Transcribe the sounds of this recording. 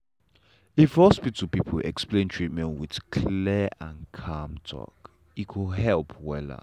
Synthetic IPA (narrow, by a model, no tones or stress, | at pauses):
ifhɔspitʰupipʰəlɛ̰ksplẽntʰɹit̚mɛ̃nwið̥kʰlɛãnkʰamtʰɔ̰k | ikʰuɦɛlpʰwɛlə̰